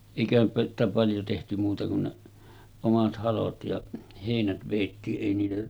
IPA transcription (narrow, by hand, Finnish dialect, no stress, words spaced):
eˑikæhæn sitæ pɑljo tehty muːtɑ kun ne omɑt hɑlot jɑ heˑinæt ʋeˑitːiːʔ ʔeˑi niːtæ